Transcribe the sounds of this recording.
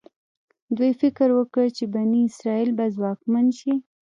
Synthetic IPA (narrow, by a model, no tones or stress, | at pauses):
d̪wujfɪkɾwəkəɽt͡ʃebaniɪsɾɑilbazwɑkmanʃi